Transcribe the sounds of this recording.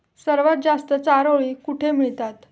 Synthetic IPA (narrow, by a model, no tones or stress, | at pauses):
səɾʋat̪̚d͡zast̪ət͡saɾoɭikuʈʰemiɭt̪at̪